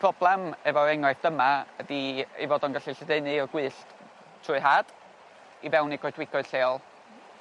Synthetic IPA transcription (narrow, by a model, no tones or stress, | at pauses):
pʰrɔblˠɛmɛvɔɛŋɔɨθd̥əmaədiḛjvɔːdɔnɡaɬiɬɛdeɨnɨɔɡwɨːɬt | tʰrʊːɨɦaːd̥ | ivɛwniɡ̥oɨdwɪɡ̥ɔɨd̥ɬeːɔlˠ